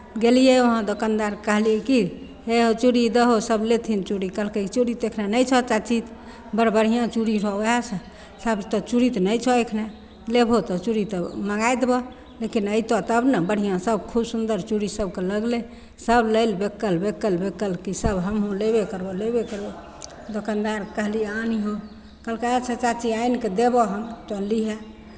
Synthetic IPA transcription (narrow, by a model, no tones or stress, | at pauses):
ɡelijeoɦãd̪okand̪aɾkəɦliɛki | ɦeɦot͡ʃuɽid̪əɦosəblet̪ʰint͡ʃuɽikəlket͡ʃuɽit̪ekʰnanəjt͡ʃʰɔt͡ʃat͡ʃit̪ | bəɾbəɽ̤ijãt͡ʃuɽiɾɔasə̃ | səbt̪ɔt͡ʃuɾit̪nəjt͡ʃʰɔekʰna | lebʱɦot̪ɔt͡ʃuɾit̪ɔməɡajd̪ebɔ | lekinəit̪ɔt̪əbnəbəɽ̤ijãsəbkʰubsund̪əɾt͡ʃuɽisəb̚ʱkeləɡle | səbləɪlbekːəlbekːəlbekːəlkisəbɦəmɦõlebekəɾbɔlebekəɾbɔ | d̪okand̪aɾkəɦlianiɦo | kəlkeɛt͡ʃʰɛt͡ʃat͡ʃiainked̪ebɔɦənt͡ʃɔlːiɦɛ